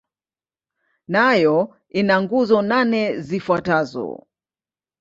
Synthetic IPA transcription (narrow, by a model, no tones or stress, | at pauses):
najɔ | inaŋɡuzɔnanɛzifwatazɔ̰